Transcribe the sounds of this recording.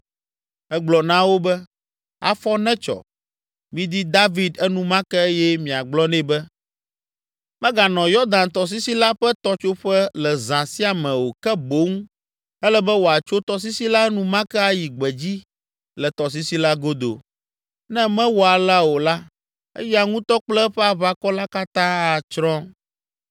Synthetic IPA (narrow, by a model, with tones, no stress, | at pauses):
ɛ˦ɡ͡blɔ˨nã˦wo˦bɛ˦ | a̰˨fɔ˦nɛ̃˦t͡ʃɔ̰˨ | mĩ˦d̪i˦d̪a˦vi˦˨d̪ɛ˦nũ˦mã˦kɛ˦e˦jɛ˦mĩ˨a˨ɡ͡blɔ˦nɛ̃˦bɛ˦ | mɛ̃˦ɡa˨nɔ̃˨jɔ˦d̪ã˨nt̪ɔ˨s̬i˦si˦la˦ɸɛ˦t̪ɔ˦t͡ʃo˦ɸɛ˦lɛ˨zã˨si˦a˨mɛ̃˨wo˨kɛ˦bo˦ŋũ˦ | ɛ˦lɛ˦bɛ˦wo˨a˨t͡ʃo˦t̪ɔ˦s̬i˦si˦la˦nũ˦mã˦kɛ˦a˦ji˨ɡ͡bɛ˨d͡ʑi˦ | lɛ˨t̪ɔ˨s̬i˦si˦la˦ɡo˦d̪o̰˨ | nɛ̃˦mɛ̃˦wo˨a˨la˦wo˨la˦ | ɛ̰˦jɛ˦a˨ŋũ˦t̪ɔ˦k͡plɛ˦ɸɛ˦a˨βa˦kɔ˦la˦ka˦t̪ã˦a˨t͡ʃɾɔ̃˦